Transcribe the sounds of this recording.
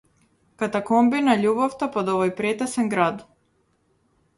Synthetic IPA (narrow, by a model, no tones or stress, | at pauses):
kat̪akɔmbinaʎubɔft̪apɔd̪ɔvɔjpɾɛt̪ɛsɛŋɡɾad̪